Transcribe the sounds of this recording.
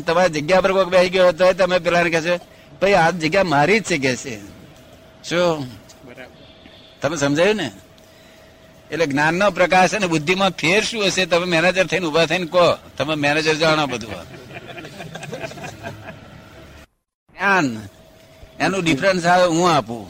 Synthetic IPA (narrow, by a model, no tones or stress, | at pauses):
t̪əmaɾid͡ʒəɡjapəɾkokbɛsiɡjoɦət̪̬oɦɔjt̪̬omep̬ɛlanekɛso | bəiad͡ʒəɡjamaɾid͡ʒt͡ʃʰek̬ɛt͡ʃʰḛ | so | t̪əmesəmd͡ʒʱajũnḛ | leɡnanːopɾəkaɾʃənebʊd̪ʱːimãpʰeɾʃũəʃet̪əmemɛned͡ʒəɾt̪ʰəinubʱat̪ʰəinkot̪əmemɛned͡ʒəɾd͡ʒaɳabəd̪ʱua̰ | ɡnan | enũɖipʰɾənsaeɦũapṵ̃